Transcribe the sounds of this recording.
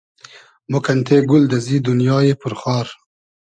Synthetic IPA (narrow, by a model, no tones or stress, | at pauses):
mokant̪ʰeɡʊld̪azid̪ʊnjɑːjepʊɾxɑːɾ